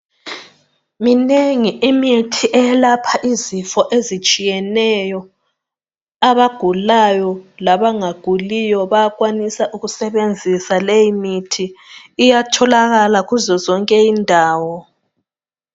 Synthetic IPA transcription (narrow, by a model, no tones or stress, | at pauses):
mineŋiʔimitʰiʔɛlapʰaʔizifɔʔezit͡ʃʼijɛnɛjɔ | aβaɡ̥ʱulajɔlaβaŋaɡ̥ʱulijɔβajakwanisaʔuɣusɛβend͡zʱisalejimitʰiːjatʰɔlaɣalaɣuzɔzɔŋkʼɛjindʱaːwɔ